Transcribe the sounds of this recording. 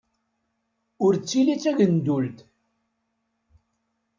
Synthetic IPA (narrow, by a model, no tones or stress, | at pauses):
ʊɾt͡sːilit͡sːæʝənd̪ult̪